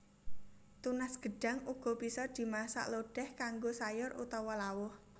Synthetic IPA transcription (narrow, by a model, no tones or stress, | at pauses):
t̪unasɡ̥ə̤ɖ̥a̤ŋuɡ̥ɔ̤pisɔd̪̥i̤masa̰ʔloɖ̥ɛhkaŋɡosajʊrṵt̪ɔwɔlawʊh